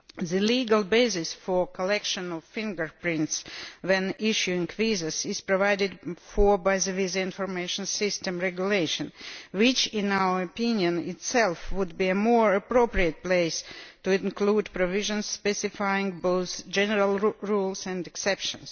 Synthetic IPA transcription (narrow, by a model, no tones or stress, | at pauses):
ðɨliːɡalˠbeɪsɪsfɔ˞kʰɔlɛkʃə̃nɔvfɪ̃ŋɡə˞pɹɪ̃ntsðɛ̃nɪʃjuɪ̃ŋvizəsɪz̥pɹɔvaɪdɪdfɔ˞baɪðɨvizəɪ̃nfɔɹmeɪʃə̃nsɪstɛ̃mɹɛɡjuleɪʃə̃nwɪt͡ʃɪ̃naʊə˞ɔpɪ̃njə̃nɪtsɛlˠfwʊdbiɨmɔɹəpɹopɹiət̚pleɪstuɪ̃nkluːdpɹɔvɪʒə̃nsspɛsɪfaɪɪ̃ŋboʊθd͡ʒɛnəɹalˠɹulˠsæ̃ndɨksɛpʃə̰̃ns